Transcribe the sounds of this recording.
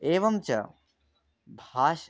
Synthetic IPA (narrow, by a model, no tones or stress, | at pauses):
eːʋɐmt͡ɕɐ̰ | bʱaːʃ